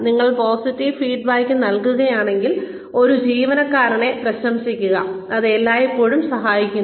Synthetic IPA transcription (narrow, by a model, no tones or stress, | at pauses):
niŋːɐɭpo̞ːsitːiʋfiːɖ̚baːjkʲːɨnɐlkuɣɐjaːɳe̞ŋɡil | o̞ɾud͡ʑiːʋɐnɐkːaːɾɐɳe̞prɐɕɐmsikʲːuɣɐ̰ɐðelːaːjipːo̞ːɻumsɐɦaːjikʲːunː